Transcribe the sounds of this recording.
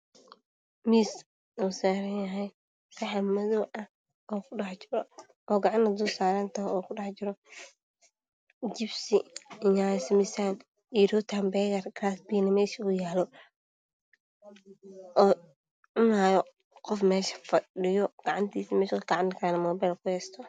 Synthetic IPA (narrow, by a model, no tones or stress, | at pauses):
miːs | usaːɾɐnjɐɦɛj | sɑħɐmɐðɔːʔɐh | ɔːkʰʊɖɑħt͡ʃɪɾɔ | ɔːɡɑʕɑnnɐd̪uːsaːɾɐnt̪ʰɐɦɔːkʰʊɖɑħt͡ʃɪɾɔ | d͡ʒɪbsiɪjaːsmɪsaːn | iɾɔːt̪ʰaːmbɛːjɐrkɾaːsbiːnɐmɛːʃɐʊjaːlɔ | ʔɔː | ʔʊnaːjɔ | qɔfmɛːʃɐ̥fɐɗɪjɔɡ̥ɑʕɑnt̪ʰiːsimɛːʃɐkɡɑʕɑnkʰaːnɐmɔːbɛjlkʰʊhɛːst̪ʰɔ